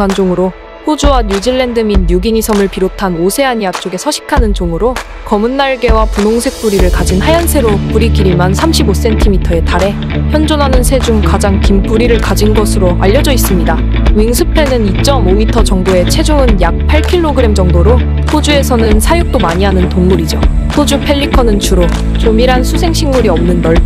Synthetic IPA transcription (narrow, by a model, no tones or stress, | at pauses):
and͡ʑoŋɯɾo | ɸod͡ʑuwaɲjud͡ʑiɭːe̞ndɯminːuɡiɲisʰʌmɯɭpiɾotʰanosʰe̞aɲiat͡ɕ͈oɡe̞sʰʌɕʰi̥kʰanɯnt͡ɕoŋɯɾo | kʌmunːaɭɡe̞wapunoŋsʰe̞k̚p͈uɾiɾɯɭkad͡ʑinhajansʰe̞ɾopuɾiɡiɾimansʰamɕʰibos͈e̞ntʰimitʰʌe̞taɾe̞ | çjʌnd͡ʑonɦanɯnsʰe̞d͡ʑuŋkad͡ʑaŋkimpuɾiɾɯɭkad͡ʑinɡʌsʰɯɾoʔa̰ʎːʌd͡ʑʌis͈ɯmɲida | wiŋsʰɯpʰe̞nɯnit͡ɕ͈ʌmomitʰʌt͡ɕʌŋboe̞t͡ɕʰe̞d͡ʑoɯnjak̚pʰaɭkʰiɭːoɡɯɾe̞md͡ʑʌŋdoɾo | pod͡ʑue̞sʰʌnɯnsʰajuk̚t͈omaɲiɦanɯntoŋmuɾid͡ʑopʰod͡ʑupʰe̞ʎːikʰʌnɯnt͡ɕʰuɾo | t͡ɕomiɾɦansʰusʰe̞ŋɕʰiŋmuɾiʌmnɯnːʌɭ